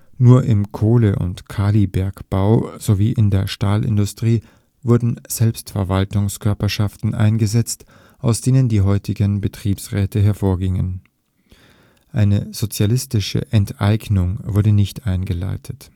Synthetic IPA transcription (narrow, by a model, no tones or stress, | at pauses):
nuːɐʔɪmkʰoːləʔʊ̰ntkʰaːlibɛɐkb̥aʊz̥oviːʔɪndeːɐʃtaːlʔɪ̰ndʊstʁ̥iː | vʊɐdn̩z̥ɛlpstfɛɐvaltʊŋskʰœɐpɐʃaftn̩ʔa̰ɪnɡəzɛt͡st | ʔaʊsd̥eːnəndiːɦɔʏtʰɪɡənbətʁ̥iːpsʁɛːtʰəɦɛɐfoːɐɡɪŋə̰n | ʔaɪnəz̥ot͡sjalɪstɪʃə̰ʔɛntʔaɪɡnʊŋvʊɐdənɪçtʔaɪnɡəla̰ɪtʰət